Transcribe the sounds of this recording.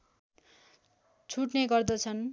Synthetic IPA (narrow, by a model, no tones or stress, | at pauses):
t͡sʰuʈneɡʌrd̪ʌt͡sʰʌn